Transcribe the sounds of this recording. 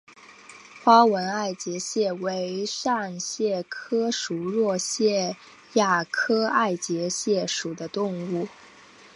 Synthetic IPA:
xwa˥wə˧˥na˥˩ɪt͡ɕjɛ˧˥ɕjɛ˥˩we˧˥ɪʂa˥˧nɕjɛ˥˩kʰɤ˥ʂu˨˩ɻwɔ˥˧ɕjɛ˥˧ | ja˥˩kʰɤ˥a˥˩ɪt͡ɕjɛ˧˥ɕjɛ˥˩ʂu˨˩d̪ə˦t̪ʊ˥˧ŋu˥˩

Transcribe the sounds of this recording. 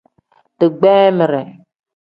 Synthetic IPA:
tɨ˨ɡ͡bɛː˦mɪ˨ɾɛ˨

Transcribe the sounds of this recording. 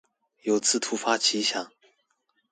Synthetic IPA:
jo˨˥ʊt͡sʰɹ̩˥˩t̪ʰu˥fa˥t͡ɕʰi˧˥ɕjɑ˨˩˦ŋ

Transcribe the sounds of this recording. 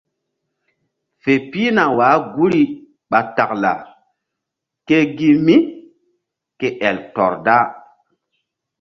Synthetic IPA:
fe˨piː˦na˨waː˨˦ɡu˦ɾi˨ | ɓa˨ta˨kla̰˨ | ke˦ɡi˦mi˦ | ke˨ʔɛ˨ltɔ̰˨ɾda˦

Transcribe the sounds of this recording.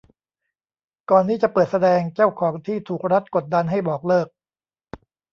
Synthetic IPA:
kɔː˨˩nt̪ʰiː˥˩t͡ɕa˨˩pɤː˨˩t̪̚sa˧dɛː˧ŋt͡ɕa˥˩wkʰɔː˩˦ŋt̪ʰiː˥˩t̪ʰuː˨˩k̚ɾa˦˥t̪̚ko˨˩t̪̚da˧nɦa˥˩jbɔː˨˩k̚lɤː˥˩k̚

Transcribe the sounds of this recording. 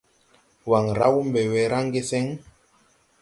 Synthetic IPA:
wa˨ŋɾa̰˦wu˦m˦bɛ˨wɛ˨˦ɾa˦ŋ˦ɡe˦sɛ˦ŋ

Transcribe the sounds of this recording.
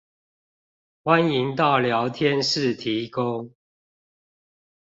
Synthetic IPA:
xwa˦ni˨˦ŋt̪ɑ˥˨ʊljɑ˨˦ʊt̪ʰjɛ˦nʂɻ̩˥˨t̪ʰi˨˦ko˦ʊ

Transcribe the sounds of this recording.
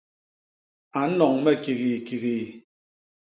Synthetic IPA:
a˨˦nɔ˨ŋmɛ˦ki˨ɣi˨ki˨ɣi˨

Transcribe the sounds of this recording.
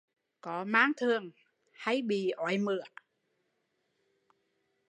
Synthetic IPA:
kɔ˨˦maː˨˧˥ŋt̪ʰɨ˨˩əŋ | ha˧jɓḭ˧˩ʔɔ˨˦jmɨ˧˩ə

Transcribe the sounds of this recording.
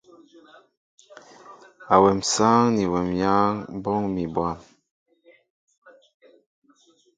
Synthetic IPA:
a˨wɛ˨msaː˦ŋni˨wɛ˨mja˦ŋ˦bɔ˦ŋmi˨bwa˦˨m

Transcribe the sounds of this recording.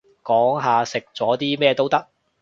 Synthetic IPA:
kɔː˨˥ŋɦaː˨sɪ˨k̚t͡sɔː˨˥t̪iː˥mɛː˥˧t̪o˥wt̪ɐ˥k̚

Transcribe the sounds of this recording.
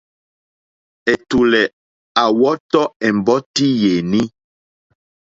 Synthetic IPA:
ɛ˨tu˨lɛ˨ | a˨wɔ˦tɔ˦ɛ˨m˨bɔ˦ti˦je˨ni˦

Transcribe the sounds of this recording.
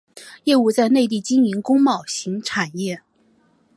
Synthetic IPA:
jɛ˥˩˧u˥˧t͡sa˥˧ɪne˥˧ɪt̪̬i˥˩t͡ɕi˥ŋi˧˥nkʊ˥ŋmɑ˨˩ʊɕi˧˥ŋʈ͡ʂʰa˨˩njɛ˥˩

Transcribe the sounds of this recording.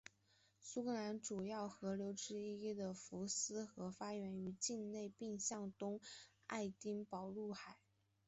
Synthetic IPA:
su˥kʰɤ˧˥la˧˥nʈ͡ʂu˨˩jɑ˥˩ʊxɤ˧˥ljo˧˥ʊʈ͡ʂɻ̩˥i˥i˥d̪ə˨˩fu˧˥sɹ̩˥xɤ˧˥fa˥ɥɛ˧˥ny˧˥t͡ɕi˥˧nne˥˧ɪpi˥˧ŋɕjɑ˥˩ŋt̪ʊ˥ŋ | a̰˥˩ɪt̪i˥ŋpɑ˨˩ʊlu˥˩xa˨˩˦ɪ

